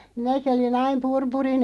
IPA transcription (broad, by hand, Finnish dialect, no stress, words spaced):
minæki olin ɑim purpurin